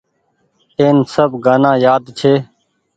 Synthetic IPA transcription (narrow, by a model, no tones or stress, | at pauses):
eːnsəbɡaːnãːjaːd̪t͡ʃʰeː